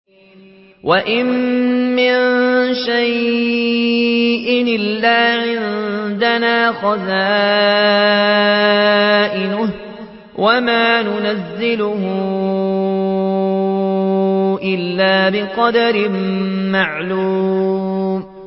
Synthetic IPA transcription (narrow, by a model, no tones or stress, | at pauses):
wʔaʔɪmmɪnnʃaj | ʔɪnɪlːaːʕɪnd̪anaːxazaː | ʔɪnʊh | wʔamaːnʊnazːɪlʊhʊ | ʔɪlːaːbɪqɑd̪aɾɪmmːaʕluː | m